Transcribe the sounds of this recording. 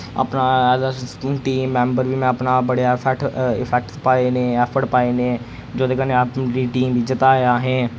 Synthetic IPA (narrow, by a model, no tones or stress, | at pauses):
a̰pnaːɛːdaʈiːmːɛ̃ːmbəɾʋiːmɛ̃ːəpnaːbəɽjaːpʰɛʈɪpʰɛk̚ʈpaːeːnẽːɛːpʰəʈpaːeːnẽː | d͡ʒoːd̪eːkəneːaːpɾiːʈiːmbʱiːd͡ʒɪt̪aːjaːɦɛ̃ː